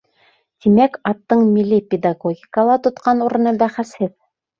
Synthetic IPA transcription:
t̪imækɑt̪ːɤɴmilʲːipʲed̪aɡoɡʲɪkəlˠɑt̪ŏt̪qɑnuɾɤ̆nɤbæχæshɘð

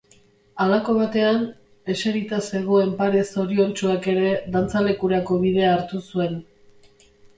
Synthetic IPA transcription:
alako̞β̞at̪e̞an | e̞seɾit̪ase̞ɣ̞oe̞mpaɾe̞so̞ɾio̞nt͡ʃuake̞ɾe̞ðant͡sale̞kuɾako̞β̞ið̞e̞aːɾt̪usue̞n

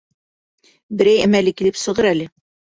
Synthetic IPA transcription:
bɘ̆ɾæjæmælɘkilɘpsɤ̆ʁɤɾælɘ

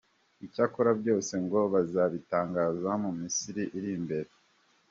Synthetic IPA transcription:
icakoɾabɟo̞ːse̞ŋɡo̞βazaβitaːŋɡaːzamumisiɾiʔiɾimbe̞ɾe

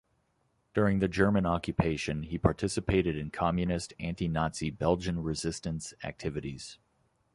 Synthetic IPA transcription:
d̥ʊɹɪ̃ŋðɨd͡ʒɜ˞mɨ̃nɑkjɨpʰeɪʃɨ̃nipʰɑɹtʰɪsɨpʰeɪɾɨɾɨ̃nkʰɑmjɨnɨstæ̃ntinɑtsibɛlˠd͡ʒɨ̃nɹɪzɪstɨ̃nsæ̰k̚tʰɪvɨɾiz̥

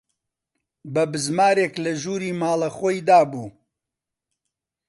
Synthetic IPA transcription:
bɐbɨzmaːɾeːklɐʒuːɾiːmaːlɐxoːjd̪aːbuː

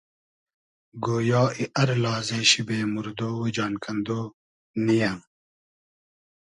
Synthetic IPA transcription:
ɡoːjɑːiʔɐɾlɑːzeːɕibeːmuɾd̪oːwed͡ʒɑːnkʰɐnd̪oː | nijam

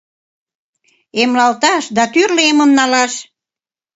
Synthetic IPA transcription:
emlɑlt̪ɑʃd̪ɑt̪yrlemə̆mnɑlɑʃ

